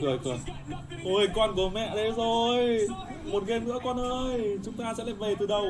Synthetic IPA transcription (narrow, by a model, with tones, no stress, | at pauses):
kɨ˨˩ə˩kɔ˨˩n | ʔə˧˩jkɔ˧nko˨˩mɛ̰˧˨ɗə˨˦jzo˨˩j | mo˨˩t̚ɣe˧nɨ̰˧˥əkɔ˧nʔəː˧jt͡ɕʊ˨˦ŋ͡mt̪aː˧sɛ̰˧˥laː˨˩ve˨˩t̪ɨ˨˩ɗə˧w